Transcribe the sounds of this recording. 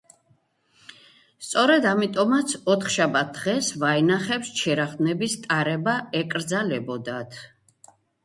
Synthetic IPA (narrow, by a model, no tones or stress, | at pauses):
st̪sʼɔɾɛd̪amit̪ʼɔmat̪sʰɔt̪ʰχʃabat̪̚d̪̥ʁɛsvaɛnaχɛpst͡ʃʰɛɾaχd̪nɛbist̪ʼaɾɛbaɛkʼɾd̪zalɛbɔd̪at̪ʰ